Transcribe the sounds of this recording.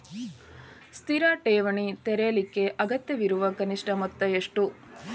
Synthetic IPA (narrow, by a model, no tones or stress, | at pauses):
st̪ʰiɾaːʈeːʋɐɳit̪ɛɾejɐlikːe̞ʔɐɡɐt̪jɐʋiɾuʋɐkɐniʂʈɐmɐt̪ːɐeʂʈu